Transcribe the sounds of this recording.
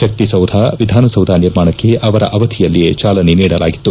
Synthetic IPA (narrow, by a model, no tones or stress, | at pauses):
ʃɐk̚t̪isɐwd̪ʱaːʋid̪ʱaːnɐsɐwd̪ʱaːniɾmaːɳɐkːe̞ʔɐʋɐɾɐ̰ʔɐʋɐt̪ʰijɐlːijet͡ʃaːlɐneniːɽɐlaːɡit̪ːu